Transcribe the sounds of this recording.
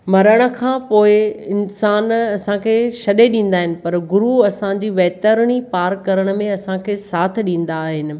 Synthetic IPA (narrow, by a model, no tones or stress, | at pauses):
mɐɾəɽ̃ə̆kʰãːpoːɪɪnsaːnɐsãkʰeːʃɐɗeɗĩːn̆d̪aːɦɪnɪ̆pɐɾɡʊɾuɐsãd͡ʑiːʋɐɦt̪əɾɽ̃ipaːɾkɐɾəɽ̃ə̆mẽɐsãkʰeːsaːt̪ʰɗĩːn̆d̪aːɦɪnɪ̆